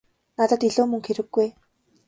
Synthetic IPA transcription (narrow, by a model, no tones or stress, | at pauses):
nat̪ə̆t̪iɮoːmɵŋxeɾɘ̆ɡːuj